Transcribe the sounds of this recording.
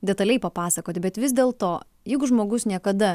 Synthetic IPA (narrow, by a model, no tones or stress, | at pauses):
d̪ʲɛt̪ɐlʲɛɪpɐpɑːsɐkoːt̪ʲɪbʲɛt̪ʋʲɪzʲd̪ʲeːlˠt̪oː | jɛɪɡʊʒmoːɡʊsnʲiɛkɐd̪ɐ